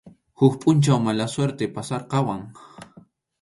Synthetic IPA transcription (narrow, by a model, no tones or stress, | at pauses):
hʊkpʼʊnt͡ʃawmalasweɾt̪epasɑɾqɑwaŋ